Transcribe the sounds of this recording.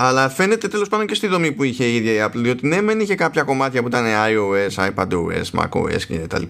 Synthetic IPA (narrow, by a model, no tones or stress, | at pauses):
ɐlɐfe̞ne̞t̪e̞t̪e̞lo̞spɐnd̪ocest̪iðo̞mipuiçe̞iðʝɐiɐplðio̞t̪ine̞meniçe̞kɐpçɐko̞mɐt̪çɐpuit̪ɐne̞ɐoe̞sɐjpɐd̪oṵḛsmɐ̰ko̰ḛscet̪ɐ̰lip